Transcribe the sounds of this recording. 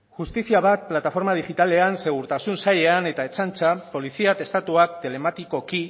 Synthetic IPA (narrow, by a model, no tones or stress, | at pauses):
ʝust̪isiaβ̞at̪̚plat̪afo̞ɾmað̞iʝit̪ale̞anse̞ɣ̞uɾt̪asunsaʎe̞ane̞t̪ae̞t͡sant͡sapo̞lisiat̪e̞st̪at̪uak̚t̪e̞le̞mat̪iko̞ki